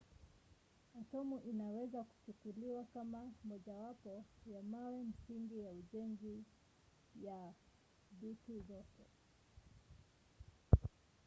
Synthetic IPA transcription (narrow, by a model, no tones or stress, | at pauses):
atɔmuʔinawɛzaku̥t͡ʃukuliwakamamɔʄawapɔjamawɛm̩siŋɡijauʄɛŋzi | ja | bitizɔkɔ